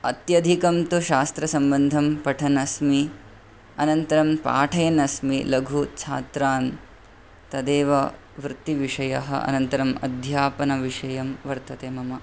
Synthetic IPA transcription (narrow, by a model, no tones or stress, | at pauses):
ɐt̪jɐd̪ʱikɐmt̪uʃaːst̪ɾɐsɐmbɐnd̪ʱɐmpɐʈʰɐnɐsmi | ɐnɐnt̪ɐɾɐmpa̰ːʈʰɐjɐnɐsmilɐɡʱut͡ʃʰaːt̪ɾaːn | t̪ɐd̪eːʋɐ | ʋɾɨt̪ːiʋiʂɐjɐɦɐ̰ʔɐ̰nɐnt̪ɐɾɐmɐ̰d̪ʱjaːpɐnɐʋiʂɐjɐmʋɐɾt̪ɐt̪eːmɐmɐ